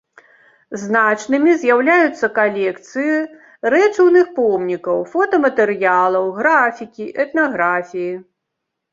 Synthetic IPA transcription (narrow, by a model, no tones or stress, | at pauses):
znat͡ʂnɨmʲizʲjawlʲajut̪sːɐkalʲɛkt̪sɨji | rɛt͡ʂɐwnɨxpɔmnʲikɐwfɔt̪ɐmɐt̪ɛɾɨjalˠɐwɣɾafʲikʲiʔɛt̪naɣɾafʲiji